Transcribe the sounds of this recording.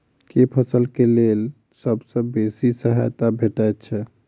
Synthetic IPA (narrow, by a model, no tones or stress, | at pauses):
kepʰəsəlkelel | səbsə̃besisəɦa̰jt̪abʱeʈajt̪̚t͡ʃʰɛ